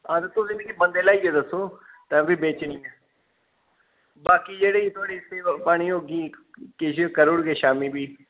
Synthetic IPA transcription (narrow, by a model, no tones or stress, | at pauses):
ad̪t̪ʊsĩːb̪ĩːkibənd̪eːlaːiːɛːd̪əsːoː | t̪ɛ̃ːbiːbeːt͡ʃnĩːɛː | baːkiːd͡ʒeːɽeːiːt̪ʰʊaːɽiːɪt̪ʰːeːpaːɽ̃iːoːɡiːkɪʃkəɾʊɽɡeːʃaːmiːbiː